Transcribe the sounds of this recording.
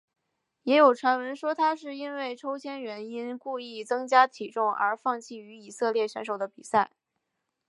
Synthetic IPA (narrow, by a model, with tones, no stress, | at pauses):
jɛ˧˥jo˨˩ʊʈ͡ʂʰwa˧˥nwə˧˥nʂwɔ˥t̪ʰa˥ʂɻ̩˥˩i˥nwe˥˩ɪʈ͡ʂʰo˥ʊɕʰjɛ˥nɥɛ˧˥ni˥nku˥˧i˥˩t͡sɤ˥ŋt͡ɕja˥t̪ʰi˨˩ʈ͡ʂʊ˥˩ŋə̰˞˧˥fɑ˥˧ŋt͡ɕʰi˥˩y˧˥i˨˩sɤ˥˧ljɛ˥˩ɕɥɛ̰˧˥nʂo˨˩ʊd̪ə˦pi˨˩sa˥˩ɪ